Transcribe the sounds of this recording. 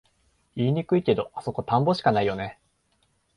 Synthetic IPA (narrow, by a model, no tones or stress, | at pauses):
iːɲ̟ikɯ̟ike̞d̪o̞ʔaso̞ko̞t̪ãmbo̞ɕi̥kanaijo̞ne̞